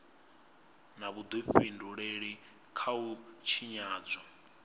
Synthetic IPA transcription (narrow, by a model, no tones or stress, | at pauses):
naβud̪uɸinduɺeɺi | kʰaut͡ʃʰiɲaːd͡zʷa